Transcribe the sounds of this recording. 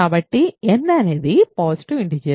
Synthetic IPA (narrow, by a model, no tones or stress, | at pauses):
aːbɐʈːiɛnːɐneːðipaːsi̥ʈuiɳɖid͡ʒe